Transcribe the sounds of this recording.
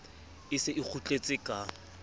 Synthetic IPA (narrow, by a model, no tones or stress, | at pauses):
ɪsɪʔɪk͡xʰut͡ɬʼet͡sʼɪkʼa